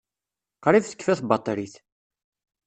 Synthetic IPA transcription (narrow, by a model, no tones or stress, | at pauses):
qɾˤifθə̥kːfæθbɑt̪ˤːɾiθ